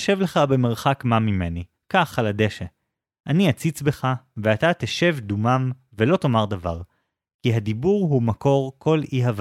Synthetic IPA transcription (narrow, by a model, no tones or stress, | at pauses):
ʃevleχabe̞meʁχakmamime̞ni | kaχalade̞ʃe | ʔaniat͡sit͡sbe̞χaveat̪at̪eʃe̞vdumam | velo̞tomaʁdava̰ʁ | kiɦadibuʁɦumako̞ʁkʰo̞liɦav